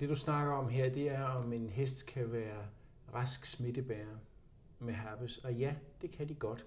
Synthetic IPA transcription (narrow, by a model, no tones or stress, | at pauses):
d̥e̝d̥usnɑ̈ɡ̥ɐɒ̽mɦeɐ̰d̥e̝æɐɒ̽me̝nɦesd̥kʰæʋæːɐ | ʁɑsɡ̥sme̝d̥əb̥æɐ | meɦæb̥əsɒ̽jæd̥e̝kʰæd̥iɡ̥ɒ̽d̥